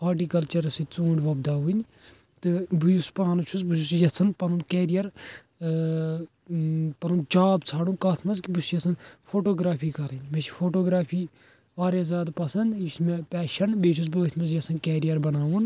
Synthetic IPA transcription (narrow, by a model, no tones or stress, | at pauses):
aːʈiːkɐlt͡ʃɐɾɐsit͡sũːɳɖʲʋɐbd̪aːʋunʲ | t̪ɨbujuspaːnut͡ʃʰusbuʃusjɐsʰɐnpɐnunkɛːɾijɐɾ | pɐnund͡ʒaːbt͡sʰaːɽũnkɐːt̪ʰmɐzkʲibusjɐsʰɐnpʰoːʈoːɡɾaːpʰiːkɐɾɐnʲmet͡ʃʰi̥pʰoːʈoːɡɾaːpʰiː | ʋaːɾezaːd̪pɐsɐnd̪jismepɛːʃɐnbeːt͡ʃʰus̬bɨʋɐt̪ʰmɐz̬jɐsʰɐnkɛːɾijɐɾbɐnaːʋun